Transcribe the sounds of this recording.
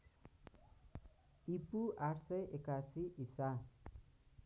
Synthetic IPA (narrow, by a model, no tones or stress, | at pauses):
ipuaʈʰsʌjʔekasiʔisa